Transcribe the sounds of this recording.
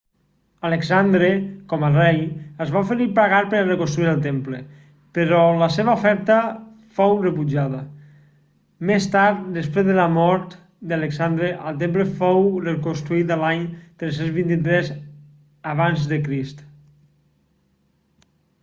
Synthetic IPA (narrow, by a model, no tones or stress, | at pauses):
aleksand̪ɾekɔmərɛjəzβaufəɾipaɣaɾpəɾarekonst̪ɾuiɾəlˠt̪emple | pəɾɔləseβəufɛɾt̪ə | fowrəpud͡ʒaðɐ | mest̪aɾt̪̚d̪əspɾezðəlamɔɾt̪ | d̪aleksand̪ɾeʔəlˠt̪̬empləfowrekonst̪ɾuit̪əlaɲt̪ɾes̬enzβint̪it̪ɾɛz | aβanzðəkɾist̪